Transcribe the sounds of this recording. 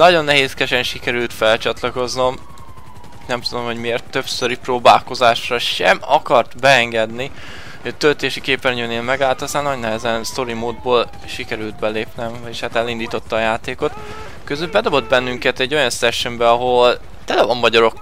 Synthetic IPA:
nɒɟo̞nːɛɦeːskɛʃɛnʃikɛɾylt̪fɛlt͡ʃɒt̪lɒko̞zno̞m | nɛmt̪ud̪o̞mho̞ɟmieːrt̪ːøpsøɾiproːbaːlko̞zaːʃrɒʃɛmɒ̰kɒrt̪bɛɛŋɡɛd̪ni | hoɟɒt̪ølt̪eːʃikeːpɛnɲøːneːlmɛɡaːlt̪ɒst̪aːnːɒɟnɛɦɛzɛnst̪o̞ɾimoːd̪̚boːl | ʃikɛɾylt̪̚bɛleːpnɛm | eʃhaːt̪ɛlind̪iːt̪o̞t̪ːɒːjaːt̪eːko̞t̪ | køzylbɛd̪o̞bo̞d̪̚bɛnːyŋkɛt̪ɛɟːo̞jɒnsɛʃømbɛɒɦo̞l | t̪ɛlɛfomːɒɟɒɾo̞kː

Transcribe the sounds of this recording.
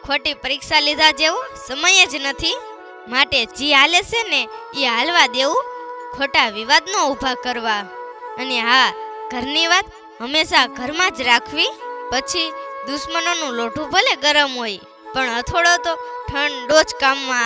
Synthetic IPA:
kʰoʈipəɾikʃalid̪ʱad͡ʒeʋũsəməjed͡ʒnət̪ʰi | maʈed͡ʒiɦaleseneiɦalʋad̪eũkʰoʈaʋiʋad̪noubʱakəɾʋaəneɦaɡ̥ʱəɾniʋat̪ | ɦəmeʃaɡʱəɾmãd͡ʒɾakʰʋipət͡ʃʰid̪uʃmənonũloʈʰũbʱəleɡəɾəmɦoj | pəɳət̪ʰoɭot̪oʈʰəɳɖod͡ʒkamːã

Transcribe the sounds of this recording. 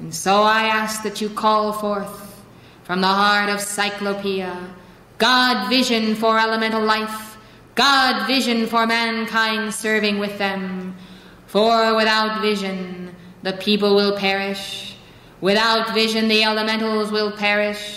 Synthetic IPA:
nsoʊaɪæsk̚ðɨt͡ʃɨkʰɔlˠfɔɹθ | fɹʌ̃mðəhɑɹɾʌv̥saɪklopʰiə | ɡ̥ɑdvɪʒɨ̃nfə˞ɛlˠəmɛ̃ñl̩ˠlaɪf | ɡ̥ɑdvɪʒɨ̃nfə˞mæ̃nkʰãɪ̃ndsɜ˞vɪ̃ŋwɪðɨ̃m | fə˞wɪθaʊtvɪʒɨ̃n | ðɨpʰipl̩ˠwɪlˠpʰɛɹɪʃ | wɪθaʊtvɪʒɨ̃nðiɛlˠəmɛ̃ñl̩ˠzwɪlˠpʰɛɹɪʃ

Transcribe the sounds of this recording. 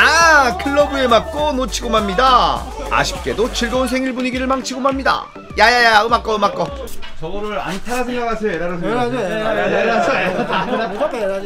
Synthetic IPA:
akʰɯɭːʌbuemak̚k͈onot͡ɕʰiɡomamɲida | a̰ɕʰi̥p̚k͈e̞dot͡ɕʰiɭɡounsʰeŋiɭbuɲiɡiɾɯɭmaŋt͡ɕʰiɡomamɲida̰ | jajajajaɯmak͈ʌɯmak͈ʌ | t͡ɕʌɡɯɾɯɾa̰ntʰasʰɯŋʌɾasʰeɾaɾɯsʰe | aasa

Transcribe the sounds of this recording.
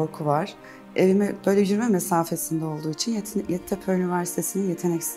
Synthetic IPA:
oɾkʰuvaɾ̥ | evimɛb̥øjlʲɛɟyɾmɛmesaːfe̞sind̪ɛo̞lˠd̪uːit͡ʃʰinjɛt̪ʰːepʰøɾynivæɾsi̥t̪ʰe̞sininje̞t̪ʰe̞nɛcs

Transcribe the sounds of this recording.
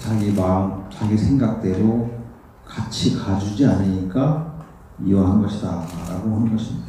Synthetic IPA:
t͡ɕaɡimaŋt͡ɕaɡisʰe̞ŋɡak̚t͈e̞ɾo | kat͡ɕʰikad͡ʑud͡ʑianɯɲik͈a | iʌɦanɡʌɕʰidaɾa̰ɡoɦanɯnɡʌɕʰimɲida

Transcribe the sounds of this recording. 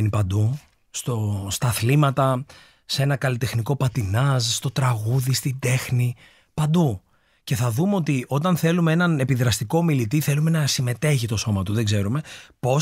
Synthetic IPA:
nipɐnd̪u | st̪o̞st̪ɐθlimɐt̪ɐ | see̞nɐkɐlit̪e̞xniko̞pɐt̪inɐzst̪o̞t̪ɾɐɣuðist̪id̪e̞xni | pɐnd̪u | ce̞θɐðumeo̞t̪io̞t̪ɐnθe̞lumee̞nɐnepiðɾɐst̪iko̞ːmilit̪iθe̞lume̞nɐsime̞t̪e̞çit̪o̞so̞mɐt̪uðeɡze̞ɾume̞po̞

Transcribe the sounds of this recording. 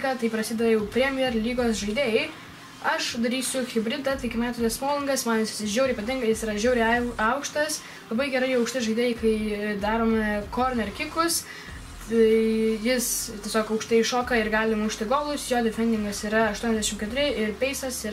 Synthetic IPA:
ɡɑt̪ɐɪpɾɐsʲiːd̪ɐʋɐjɛʊpʲɾʲɛmʲɪjɛrlʲiːɡoːsʒɐɪd̪ʲeːjɛɪ | ɐʃd̪ɐɾʲiːsʲʊxʲɪbʲɾʲɪd̪ɐt̪ɐɪɪkʲɪmʲæːt̪ʊt̪ʲɛsmoːlʲˠɪŋɡɐsmɐnjɪsʒʲɛʊɾʲɪiːpɐt̪ʲɪŋɡɐjɪsiːɾɐʒʲɛʊɾʲɪɐʊkʃt̪ɐs | lˠɐbɐɪɡʲɛɾɐɪɐʊkʃʲt̪ʲɪʒɐɪd̪ʲeːjɛɪkɐɪd̪ɑːɾoːmʲɛkoːɾʲnʲɛɾkʲɪkʊs | ɐɪjɪstʲiɛsʲoːkɐʊkʃt̪ɪʃoːkɐɪɾɡɑːlʲɪmʊʃʲt̪ʲɪɡoːlˠʊsjoːd̪ʲɪfʲɛnʲd̪ʲɪŋɡɐsiːɾɐɐʃt̪uɔnʲɛzd̪ʲæɛʃɪmkʲɛt̪ʊɾʲɪɪɾpʲɛɪsɐsi

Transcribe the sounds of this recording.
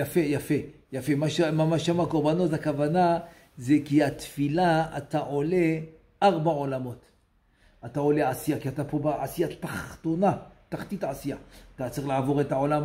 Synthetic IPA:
jafe̞jafe | jafe̞maʃmamaʃamakoʁbano̞takavana | zekiat̪filaataʕo̞le | ʔaʁbao̞lamo̞t | atao̞leʕasijakiatapo̞baʕasijat̪aχto̞nataχtitʕasijat̪at͡saʁiχlaʕavo̞ʁetao̞lam

